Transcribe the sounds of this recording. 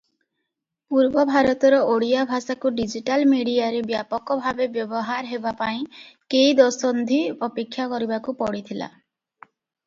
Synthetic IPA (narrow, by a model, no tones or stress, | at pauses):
puɾbɔbʱaɾɔt̪ɔɾɔoɽijabʱasakuɖid͡ʒiʈalmeɽiaɾebjapɔkɔbʱabebjɔbɔɦaɾɦebapaĩkejd̪ɔsɔnd̪ʱiɔpekʰːjakɔɾibakupɔɽit̪ʰila̰